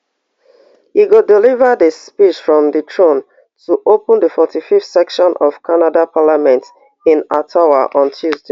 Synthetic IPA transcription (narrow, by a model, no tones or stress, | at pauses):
hiɡudilivədəspiʃfɹɔ̃mdətʰɹõn | tʰuʔopə̃ndəfɔtififtsɛkʃɔ̃nʔɔv̥kʰanadapʰalamɛ̃nt | ĩnatʰawa̰ʔɔ̃ntʰuzde